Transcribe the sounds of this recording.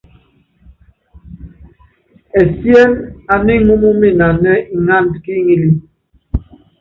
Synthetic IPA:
ɛ˨sjɛ˦la˨ni˦mu˦mu˦mi˦˨na˨nɛ˦i˨ŋa˦n˨dki˦ŋi˦li˦

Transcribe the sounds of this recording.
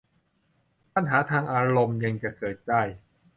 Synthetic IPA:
pa˧nɦaː˩˦t̪ʰaː˧ŋʔaː˧ɾo˧mja˧ŋt͡ɕa˨˩kʰɤː˨˩t̪̚t͡ɕa˧˩j

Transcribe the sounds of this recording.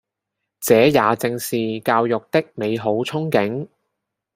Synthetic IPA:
t͡sɛː˨˥jaː˨˧t͡sɪ˧ŋsiː˨kaː˧wjʊ˨k̚t̪ɪ˥k̚me˨˧jɦo˨˥wt͡sʰʊ˥ŋkɪ˨˥ŋ

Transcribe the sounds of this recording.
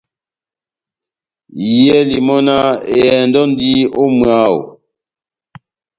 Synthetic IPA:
jɛ˦li˨mɔ˦na˦e˨ɛ˨n˦dɔ˦n˦di˦o˦mɰa˦˨o̰˨

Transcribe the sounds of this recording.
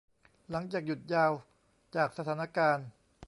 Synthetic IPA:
la˩˦ŋt͡ɕaː˨˩k̚ju˨˩t̪̚jaː˧w | t͡ɕaː˨˩k̚sa˧t̪ʰaː˩˦na˧kaː˧n

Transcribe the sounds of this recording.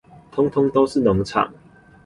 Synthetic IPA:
t̪ʰʊ˥ŋt̪ʰʊ˥ŋt̪o˥˦ʊʂɻ̩˥˨nɔ˨˧˦ŋt͡sʰa̰˨˩ŋ

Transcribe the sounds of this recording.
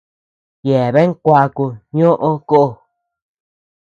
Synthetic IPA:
je˨βe˦ŋ˦kʷa˧ku˧ɲõ˦ʔõ˦ko˦ʔo˧

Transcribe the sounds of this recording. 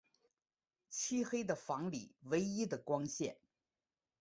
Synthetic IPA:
t͡ɕʰi˥xe˥ɪd̪ə˨fɑ˧˥ŋli˨˩we˧˥ɪi˥d̪ə˨kwɑ˥ŋɕjɛ̰˥˩n

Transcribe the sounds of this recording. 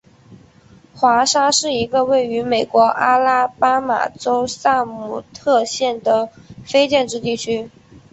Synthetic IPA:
xwa˧˥ʂa˥ʂɻ̩˥˩i˧˥ɡə˧we˥˩ɪy˧˥me˨˩ɪkwɔ˧˥ʔa˥la˥pa˥ma̰˨˩ʈ͡ʂo˥ʊsa˥˩mu˨˩t̪ʰɤ˥˧ɕjɛ˥˩nd̪ə˩fe˥ɪt͡ɕjɛ˥˧nʈ͡ʂɻ̩˥t̪̬i˥˩t͡ɕʰy˥

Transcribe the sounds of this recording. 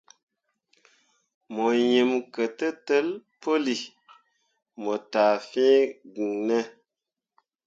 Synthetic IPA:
mo˨jə˨mkə˨tə˦tə˦lpo˦li˨ | mo˨taː˨fĩː˦ɡi˨ŋnə˦

